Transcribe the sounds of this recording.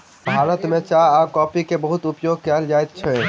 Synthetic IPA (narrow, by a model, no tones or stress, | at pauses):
bʱaɾət̪met͡ʃaakɔpikebəɦut̪upjoɡ̚kɛld͡ʒajt̪̚t͡ʃʰɛ